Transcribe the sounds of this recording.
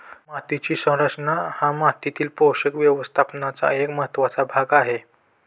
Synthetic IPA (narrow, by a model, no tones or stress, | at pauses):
mat̪it͡ɕiːsə̃w̃ɾakt͡sənahãmat̪it̪iːlpowɕəkʋjəʋəst̪ʰapnat͡sa̰ekməɦət̪ːʋat͡sabʱaɡaɦe